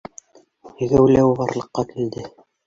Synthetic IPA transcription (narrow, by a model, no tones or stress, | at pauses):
jɘ̆ɡæwlæwbɑɾlˠɤ̆qːɑkild̪ɘ